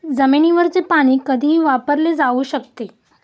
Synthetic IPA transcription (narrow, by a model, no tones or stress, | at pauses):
d͡zəmeniʋəɾt͡sepaɽ̃iːkəd̪ʱiːʋapəɾled͡zauːɕək̚t̪e